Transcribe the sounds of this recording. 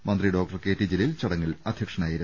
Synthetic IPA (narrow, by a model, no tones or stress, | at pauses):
mɐnd̪riɖo̞ːk̚ʈɐrkeːʈːid͡ʑililt͡ɕɐɽɐŋːɐlɐd̪ʱjɐkʂɐnaːjiɾu